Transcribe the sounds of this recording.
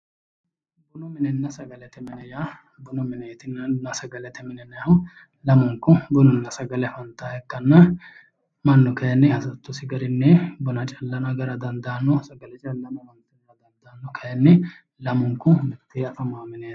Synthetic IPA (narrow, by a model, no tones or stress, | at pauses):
bʊnɔmɪnɛnːɐsɐɡɐlɛt̪ɛmɪnɛja | bʊnɔmɪnejt̪ɪnːɐnɐsɐɡɐlɛt̪ɛmɪnɛnːɐjhʊ | lɐmʊŋkːʊbʊnɔnːɐsɐɡɐlɛfɐnt̪aːhɛkːɐnːɐ | mɐnːɔkɐjɐnːɛhɐsɐt̪ːʊsɪɡɐɾɪnːɛbʊnɐt͡ʃʼɐlːɐnɐɡɐɾɐd̪ɐnd̪ɐːnːɔsɐɡɐlɛt͡ʃʼɐlːɐmɐmɐnt̪ːɐɡɐɾɐd̪ɐnd̪ɐːnːɔkʰɐjɐnːɛ | lɐmʊŋkːʊmɛt̪ʰːeːɐfɐmaːmɪne̥ː